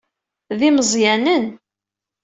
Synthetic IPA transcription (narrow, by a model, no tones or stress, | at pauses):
ðiməzˤjænən